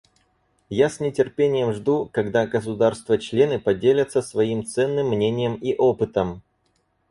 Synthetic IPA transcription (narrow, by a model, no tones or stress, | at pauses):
jasnʲɪtʲɪrpʲenʲɪjəmʐd̪ukɐɡd̪aɡəs̬ʊd̪arst̪vət͡ɕlʲe̞nɨpɐdʲelʲət̪səsvɐimt̪sɛnːɨmːnʲenʲɪjəmiʔo̞pɨt̪əm